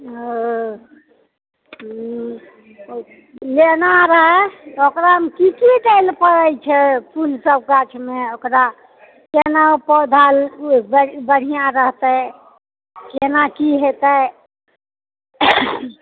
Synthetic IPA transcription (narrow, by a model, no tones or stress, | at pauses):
lenaɾəɦɛokɾaɦəmkikiʈelpəɾəjt͡ʃʰɛpʰulsəb̚kat͡ʃʰmeokɾa | kenaopɔd̪ʱalbəbəɽ̤ijãɾəɦt̪ə | kenakiɦet̪ə